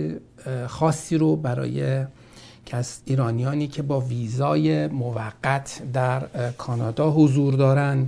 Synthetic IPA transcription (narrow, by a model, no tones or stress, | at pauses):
xɒːsːiːɾobæɾɒ̰ːje | cʰæsiːɾɒːnijɒːniːcʰe̞bɒːviːzɒːjemovæɡːæt̪ʰd̪æɾkʰɒːnɒːd̪ɒːɦozuːɾd̪ɒːɾænd̪